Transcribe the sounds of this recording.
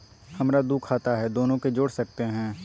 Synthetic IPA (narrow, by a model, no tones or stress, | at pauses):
hɐmɾad̪uːkʰaːt̪aɦɛd̪oːnõked͡ʒoːɽsɐk̚t̪eɦɛ̃ː